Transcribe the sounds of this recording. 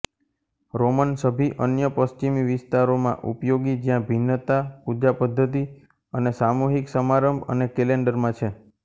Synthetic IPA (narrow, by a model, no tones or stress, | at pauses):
ɾomənsəbʱiʔənjəpəst͡ʃimiʋɪst̪aɾomã̰ʔṵpjoɡid͡ʒjãbʱinːət̪apud͡ʒapəd̪ʱːət̪̬i | ənesamuɦiksəmaɾəmbʱə̰nekeleɳɖəɾmãt͡ʃʰe